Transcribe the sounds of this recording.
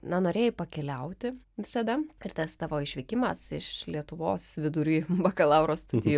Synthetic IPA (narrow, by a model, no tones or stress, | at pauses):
nɐnoːɾʲeːjɪpɐkʲɛlʲɛʊt̪ʲɪ | ʋʲɪsɐd̪ɐɪɾt̪ɐst̪ɑːʋoːɪʃʲʋʲɪːkʲɪmɐsɪʃlʲiɛt̪ʊʋoːsʋʲɪd̪ʊɾʲuːbɐkɐlˠɐʊɾoːst̪ɐd̪ʲɪj